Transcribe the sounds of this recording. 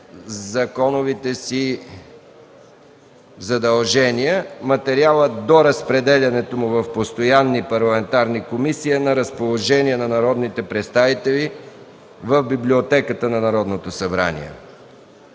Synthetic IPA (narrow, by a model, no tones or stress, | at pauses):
zɐkɔnovit̪ɛsi | zɐd̪ɐlˠʒɛniəmɐt̪ɛɾialˠəd̪oɾəspɾɛd̪ɛlʲɐnɛt̪omʊvɐfpost̪ojanːipɐɾlˠɐmɛnt̪aɾnikomisiənɐɾəspolˠoʒɛniənɐnɐɾɔd̪nit̪ɛpɾɛt̪st̪avit̪ɛlʲi | vəvbiblʲiot̪ɛkət̪ənɐnɐɾɔd̪not̪osɐbɾa̰nḭɛ̰